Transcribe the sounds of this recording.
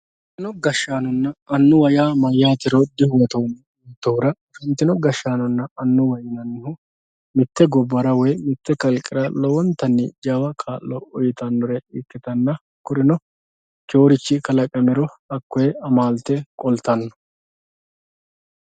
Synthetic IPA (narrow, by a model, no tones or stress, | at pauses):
ɪnɔɡɐʃːaːnɔnːɐɐnːʊwɐjaːmɐjːaːt̪ɪɾɔd̪ɪhʊwɛt̪on | t̪oːɾɐ | ʃɛnt̪ːɪnɔɡɐʃːaːnɐnːɐɐnːʊwɐjɪnɐnːɪhʊ | mɪt̪ːɛɡɔbːɐɾɐwɛjmɪt̪ːɛkɐlkʼːɪɾɐlɔwɔnt̪ːɐnːɪd͡ʒaːwɐkʰaːlːɔɔjɪt̪ɐnːɔɾɛɪkːɪt̪ɐnːɐ | kʊɾɪnɔ | t͡ʃoːɾɪt͡ʃːɪkɐlɐkʼɐmɛɾɔhɐkːɔjɛɐmaːlt̪ːɛkʼɔlt̪ɐnːɐ